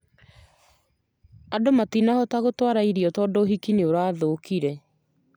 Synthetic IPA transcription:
adomatinahɔtaɣotwaɾaiɾiɔtɔːdoːɦikineoɾaːðokiɾɛ

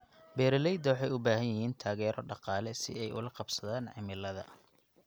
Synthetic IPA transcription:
bɛːɾɪlɛjd̪ɐwɑħɑjʊbaːɦɐnjɐhiːnt̪ʰaːɣɛːɾʔɔɖɑqɑːlɛsɪ̰ɛjʔʊ̰lɐqɑbsɐðaːnʕɪmɪlːɐðɐ̰

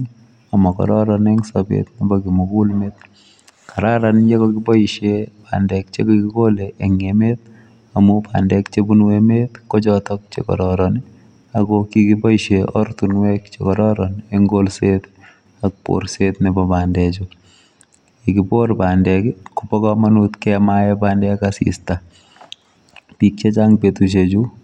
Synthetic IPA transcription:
amɔkɔ̰ɾɔɾɔnɛŋsabḛt̪nibɔkimukulmet̪̚ | kaɾaɾanjekɔkibɔiʃepandɛk̚t͡ʃḛkokikoleʔeŋemet̪̚ | amupʰa̰ndɛkt͡ʃebunwemet̪kot͡ʃɔtɔk̚t͡ʃḛkɔ̰ɾɔɾɔni | aɡokikibɔiʃeɔ̰ɾt̪unwekt͡ʃḛkɔɾɔɾɔneŋɡolset̪ | ak̚po̰ɾset̪nɪbɔbandɛt͡ʃɔ | ekipoɾpandɛkɪkʊpɔkɔmanut̪kɛmajɛbandɛkasḭst̪a | pik̚t͡ʃet͡ʃaŋpet̪ut͡ʃ̬ed͡ʒu

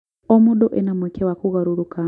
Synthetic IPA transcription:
omuɗoʔenamwɛkʰewakuɣaɾuɾuka

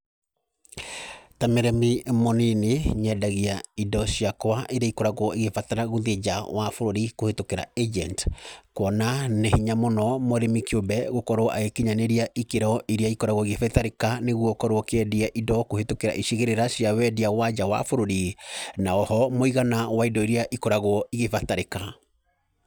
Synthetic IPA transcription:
tamɛɾɛmimɔnineɲɛdaɣiaidɔsiakwaʔeɾiaikoɾaɣɔeɣefataɾaɣoðed͡ʒawʔafoɾoɾikohetokeɾa̰ed͡ʒɛntkwɔnanehiɲamɔnɔmɔɾemikiobɛɣokɔɾoɔʔa̰ɣekeɲaneɾiaʔikeɾɔʔiɾiaikɔɾaɣwoiɣefɛtaɾekaneɣuɔkɔɾoɔkɛdiaʔidɔkohetokeɾa̰ʔiʃiɣeɾeɾasiawɛdiawad͡ʒawa̰foɾoɾinaɔhɔmoiɣanawaidɔiɾiaʔikɔɾaɣoɔiɣefataɾeka

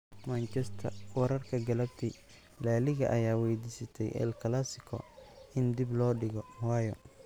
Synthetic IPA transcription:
mɐnt͡ʃɛst̪ʰɐ̰wɐɾɐrkʰɐɡɐlɐbt̪ʰɪ | laːlɪɣɐ̰ʔɐjaːwɛjd̪iːsɐt̪ʰɛ̰jʔɛ̰lkʰɐlasɪkʰɔ̰ɪnd̪ɪblɔːɖɪɣɔwɑːjɔ̰

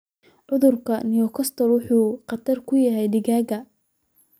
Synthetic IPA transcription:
ʕʔʊðʊrkʰɐnijɔkʰɔst̪ʰɔlwʊħuːqɑt̪ʰɐrkʰʊjɐɦɛjɖɪɣaːɡɐ

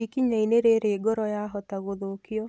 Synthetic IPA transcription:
ikiɲaineɾeɾeːɡɔɾɔjaɦɔtaɣoðokjɔ

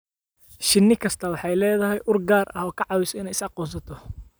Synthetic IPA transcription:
ʃɪnːɪkʰɐst̪ʰɐwɑħɑjlɛːðɐɦɛjʔʊrɡaːrʔɐhɔːkʰɑʕɑwɪsɔɪnɛjɪsɑqɔːs̬ɐt̪ʰɔ

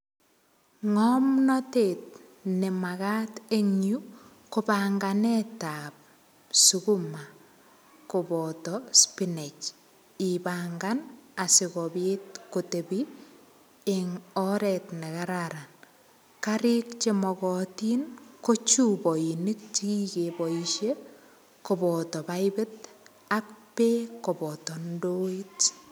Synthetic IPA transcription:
ŋɔmnɔtet̚ | nemaɣateŋju | kopaŋɡanetap̚ | sukuma | kobɔtɔspinet͡ʃ | ibaŋɡanasɪkɔbetkotebi | ɪŋɔɾɛtnɛkaɾaɾan | kaɾɪkt͡ʃemɔkɔtinkot͡ʃubɔinit̚t͡ʃiɡikebɔiʃe | kobɔtɔbaɪbɪt̚ | ak̚pekobɔtɔndoit

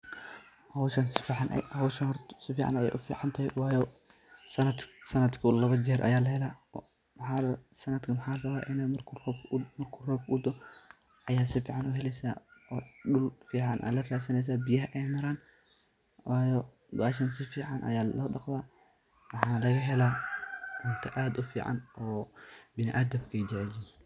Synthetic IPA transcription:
hɔwʃɐnsɪ̥fiːħɑn̰hɔwʃɐnrt̪sɪfiːʕɑ̰nɐjɛ̰jʔʊfḭːʕɑnt̪ʰɐhɛwɑːjɔ | sɐnɐd̪sɐnɐd̪kʰʊlɐβɐd͡ʒɛːɾʔɐ̰jaːlɐɦɛlaː | mħaːsɐnɐd̪kʰɐmɐħaːrɐβaːʔɪnɛmɐrkʰrɔbmɐrkʰʊrɔːbʊd̪ɔ | ʔɐjaːsɪfiːʕɑnʊɦɛlɛsaːɔːɗʊlfiːʕɑnʔa̰ːlɐraːsɐnɛjs̬aːbɪjɐɦɐʔɛjmɐɾaːn | wʔaːjɔ | baːʃ̬ɐns̬ɪfiːʕɑnʔɐ̰jaːlɔːɗɑqðaː | wɑħɑːnlɐɣɐɦɛlaːʔʊnt̪ʰɐʔaːd̪ʊfḭːʕa̰nɔːbɪnɪʔaːd̪ɐmkʰɛd͡ʒɛʕɪlɪ

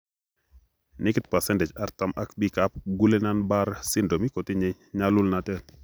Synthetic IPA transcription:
nikit̚pasɛndɛt͡ʃaɾtamʔakbikap̚ɡulenanbaɾsindomikɔtiɲe | ɲalulnatɛl

